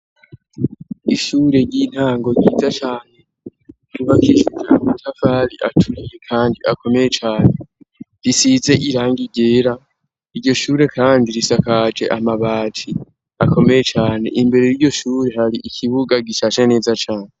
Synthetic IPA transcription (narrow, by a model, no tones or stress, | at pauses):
iʃuːɾe̞ɾɟiːn̥haːŋɡo̞ɾɟiːzat͡ʃaːne̞ | kuβakiːʃud͡ʒḛa̰matʰafaɾiʔa̰tʰuɾijekʰaːndiʔakʰo̞me̞je̞t͡ʃaːne̞ | ɾisize̞ʔiɾaːŋɡiɟe̞ːɾa | iɾɟo̞ʃuːɾe̞kʰaːndiɾisakad͡ʒe̞̰ʔamaβaːtʰi | ako̞me̞je̞t͡ʃaːne̞̰ʔimbe̞ɾe̞jiɾɟo̞ʃuːɾe̞ɦaɾiʔicʰiβuɡaɡiʃaːʃene̞ːzat͡ʃaːne